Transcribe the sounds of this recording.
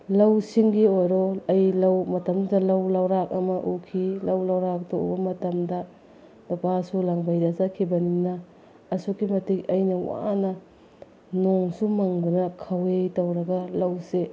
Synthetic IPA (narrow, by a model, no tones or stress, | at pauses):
lɐwsiŋɡiojɾɔɐjlɐwmɐtɐmdudɐlɐwlɐwɾak̚ɐmɐʔukʰilɐwlɐwɾak̚doṵbɐmɐtɐmdɐ | lupasulaŋbɐjɾɐzɐkʰibɐninɐː | sukimɐtikɐjnɐwa̰nɐ | noŋsumɐŋdunɐkʰɐwejtɐwɾɐɡɐlɐwse